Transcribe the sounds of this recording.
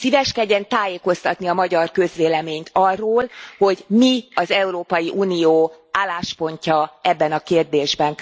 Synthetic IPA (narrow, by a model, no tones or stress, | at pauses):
sivɛʃkɛɟːɛnt̪aːjeːko̞st̪ɒt̪niɒmɒɟɒrkø̞zʋeːlɛmeːɲt̪ɒrːoːlho̞ɟmiɒzɛuɾoːpɒjiʔuːnijoː | aːlːaːʃpo̞ɲcɒɛbːɛnɒkeːrd̪eːʒbɛn